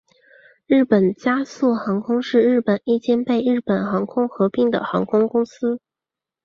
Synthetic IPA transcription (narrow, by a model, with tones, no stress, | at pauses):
ɻɻ̩˥˩pə˨˩nt͡ɕja˥su˥˩xɑ˧˥ŋkʰʊ˥ŋʂɻ̩˥˧ɻɻ̩˥˩pə˨˩ni˥˩t͡ɕjɛ˥npe˥˧ɪɻɻ̩˥˩pə˨˩nxɑ˧˥ŋkʰʊ˥ŋxɤ˧˥pi˥˩ŋd̪ə̰˩xɑ˧˥ŋkʰʊ˥ŋkʊ˥ŋsɹ̩˥